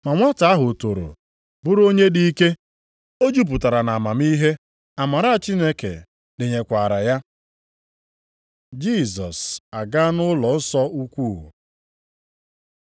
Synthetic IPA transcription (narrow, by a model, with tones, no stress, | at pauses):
ma˨ŋʷa˦ta˨˦a˦ɦʊ˨to˨ɾo̰˨ | bʊ˦ɾo˦ɲe˦di˦i˦ke˦ | o˦d͡ʒu˦p̬ʊ˨ta˨ɾa˨na˨a˨ma˨mi˦ɦe˦ | a˨ma˨ɾa˦a˨t͡ʃi˦ne˦kḛ˨ | dɪ˨ɲe˨kʷa˨ɾa˨ja˦ | d͡ʒi˦˨sɔ˨sa˨ɡa˦nʊ˦lɔ˨n̩˦sɔ˦u˦kʷuː˦˨ɦṵ˨